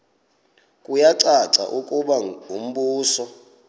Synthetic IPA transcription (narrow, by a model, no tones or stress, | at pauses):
kʼujaǀaǀa̰ʔukʼuɓaum̩ɓuːsɔ